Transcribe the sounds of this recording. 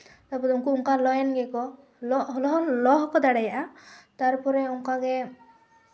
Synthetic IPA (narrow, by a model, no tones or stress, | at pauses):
t̪aɾpɔt̪uŋkuuŋkalɔjɛnɡɛkɔ | lɔɦlɔɦɔlɔɦkɔd̪aɽajaʔat̪aɾpɔɾɛuŋkaɡɛ